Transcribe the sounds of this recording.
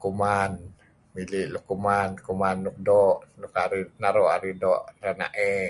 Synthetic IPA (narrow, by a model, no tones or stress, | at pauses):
kuman | miliʔlukumankumanːuk̚dɔʔnukaɾinaɾɔʔaɾidɔʔrana̰ʔɛ